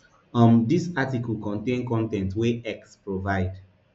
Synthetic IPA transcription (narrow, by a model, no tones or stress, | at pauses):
ãmdisatiklkɔ̃ntẽnkɔ̃ntɛ̃ntweɛkspɹovaɪd